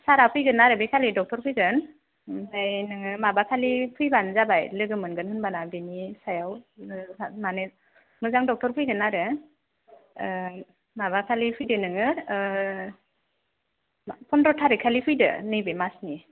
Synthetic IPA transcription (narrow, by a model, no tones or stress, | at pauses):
saɾapʰɯjɡɯnːaɾɯbekʰalidɔk̚tɔɾpʰɯjɡɯn | sajnɯŋɯmabakʰalipʰɯjbanzabajlɯɡɯmɯnɡɯnhɯnbanabinisajawamane | mɯzaŋdɔk̚tɔɾpʰɯjɡɯnaɾɯ | mabakʰalipʰɯjdɯnɯŋɯ | pʰɔndɾɔtʰaɾikʰalipʰɯjdɯ̰nɯjbɯmasni